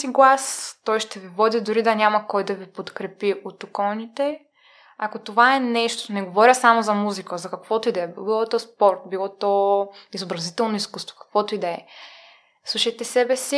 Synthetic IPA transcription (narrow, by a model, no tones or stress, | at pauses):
siɡlˠast̪ɔjʃt̪ɛvivɔd̪id̪ʊɾid̪ɐnʲamɐkɔjd̪ɐvipot̪kɾɛpiʔot̪okɔnit̪ɛ | akot̪ovaɛnɛʃt̪oonɛɡovɔɾʲəsamozɐmuzikəzɐkɐkvɔt̪oid̪ɛɛbbilˠɔt̪ɔspɔɾt̪̚bilˠɔt̪ɔizobɾɐzit̪ɛlˠnoiskust̪vo̥kɐ̥kvɔt̪oid̪ɛɛ | slˠuʃɐjt̪ɛsɛbɛsi